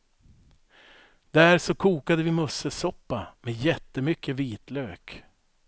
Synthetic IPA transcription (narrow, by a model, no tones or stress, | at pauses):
d̪æɾʂɔkʰuːkad̪əvɪmɵsːəsɔpːamɛjɛt̪ːəmʏkʰːəviːt̪løːk